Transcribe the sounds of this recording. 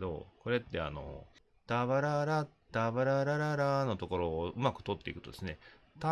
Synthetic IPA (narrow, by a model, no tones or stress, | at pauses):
d̪o̞̰ko̞ɾe̞t̪ːe̞a̰no̞̰ | d̪̥aβaɾaɾa | d̪̥abaɾaɾaɾaɾano̞t̪o̞ko̞ɾo̞ːɯ̟makɯ̟̥t̪o̞t̪ːe̞ikɯ̟t̪o̞d̪e̞sɨne̞ | t̪a